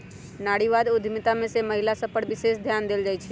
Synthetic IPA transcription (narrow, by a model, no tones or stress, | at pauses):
naːɽiʋaːd̪ʊd̪ʱmit̪amẽseməɦɪlasəpəɽbɪsesd̪ʱjaːnd̪eːld͡ʒaːjt͡ʃʰɛ